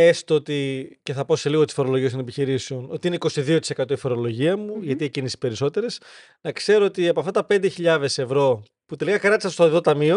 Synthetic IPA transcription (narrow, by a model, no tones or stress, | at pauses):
est̪ot̪ice̞θɐpo̞se̞liɣot̪i̥sfo̞ɾo̞loʝiet̪onepiçiɾiseo̞no̞t̪iineiko̞siðiot̪ise̞kɐt̪o̞ifo̞ɾo̞lo̞ʝiɐmuʝɐt̪iecinesi̥pe̞ɾiso̞t̪e̞ɾes | nɐkse̞ɾo̞ot̪iɐpoɐft̪ɐt̪ɐpe̞nd̪e̞çiʎɐðe̞se̞vɾo̞ | put̪e̞likɐkɾɐt̪isɐst̪oðo̞t̪ɐmio̞